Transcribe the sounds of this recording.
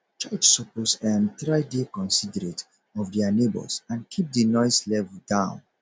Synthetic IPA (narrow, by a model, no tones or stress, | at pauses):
t͡ʃat͡ʃsɔposɛ̃mθɹaɪdekɔ̃nsidəɹet | ɔvdɛanebɔ̰sãnkʰip̚dinɔɪslɛvdãʊ̃n